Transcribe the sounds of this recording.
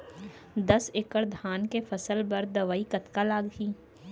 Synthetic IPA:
d̪ɐsɪkəɾd̪ʱaːnkefʰɐsəlbɐɾd̪ɐʋaːikɐt̪kalaːɡɦiː

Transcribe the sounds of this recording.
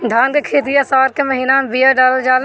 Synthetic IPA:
d̪ʱaːnkekʰeːt̪̬ijasaːɾkeməɦiːnaːmbijaɖaːləd͡ʒaːl

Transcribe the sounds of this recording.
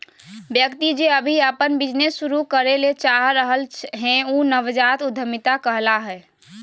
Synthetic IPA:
bjəkt̪id͡ʒeəbʱiəpənbɪd͡ʒnesːuɾukəɾelet͡ʃaɦɾəɦəlɦɛ̃uːnəʋd͡ʒat̪ʊd̪ʱːəmɪt̪akəɦlaɦɛː

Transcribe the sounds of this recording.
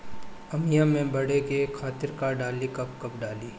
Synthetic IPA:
ɐmijamẽbɐɽekekʰaːt̪ɪɾkaɖaːlikɐp̚kɐpɖaːliː

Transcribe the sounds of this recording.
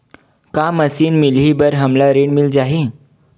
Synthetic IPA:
kaməsiːnmilɦibəɾɦəmlaɾeɳmild͡ʑaɦi

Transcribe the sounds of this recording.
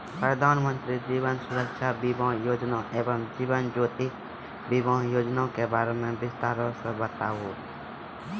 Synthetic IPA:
pɾəd̪ʱaːnmə̃nt̪ɾid͡ʒiːʋənsʊɾəkʃaːbibãːjoːd͡ʒnãʔeːbəmd͡ʒiːʋənd͡ʒoːt̪i | bibãːjoːd͡ʒnãkebaːɾemẽbɪst̪aːɾosəbət̪aːɦoː

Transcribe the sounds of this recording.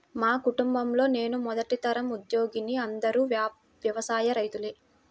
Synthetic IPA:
maːkuʈumbɐmlo̞ːne̞ːnumɔd̪ɐʈit̪ɐɾɐmud̪jo̞ːɡiniɐnd̪ɐɾuːʋː | ʋjɐʋɐsaːjɐɾɐjt̪uleː

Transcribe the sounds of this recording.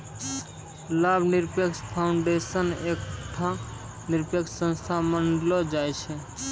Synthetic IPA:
labʱniɾpekspʰaʊɳɖesənekʈʰa | niɾpekssə̃nst̪ʰamənɖlɔd͡ʒajt͡ʃʰɛ

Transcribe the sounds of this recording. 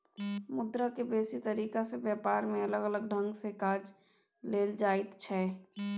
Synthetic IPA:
mʊd̪ɾakebeːsit̪əɾiːkasebjaːpaːɾmẽələɡələɡ̚ɖʱə̃ŋɡsekaːd͡ʒ | leːld͡ʒaːɪt̪t͡ʃʰɛː

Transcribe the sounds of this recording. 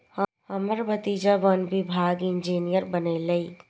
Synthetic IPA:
hɐ | ɐməɾbɐt̪iːd͡ʒaʋɐnbɪbʱaːɡɪ̃nd͡ʒiːnijəɾbɐnelɐiː

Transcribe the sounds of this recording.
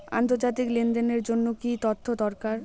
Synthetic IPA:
a̰nt̪oɾd͡ʑat̪̬iklind̪eneɾd͡ʑonːokit̪ot̪ʰːod̪ɔɾkaɾ

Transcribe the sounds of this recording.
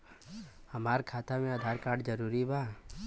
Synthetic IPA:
hɐmaːɾkʰaːt̪amẽəd̪ʱaːɾkaːɾɖd͡ʒəɾuːɾibʱaː

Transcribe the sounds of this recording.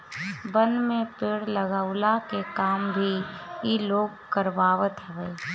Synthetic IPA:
bənmẽpeːɽləɡaːʊlakekaːmbʱiiloːɡ̚kəɾʋaːʋət̪ɦɛʋeː

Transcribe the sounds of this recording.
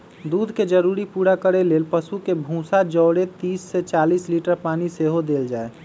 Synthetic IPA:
d̪uːd̪ʱked͡ʒəɾuɾipuɾakəɾeleːlpəsukebʱũsad͡ʒəːɽet̪iːsːet͡ʃaːliːsliʈəɾpaːniseɦod̪eːld͡ʒaːe

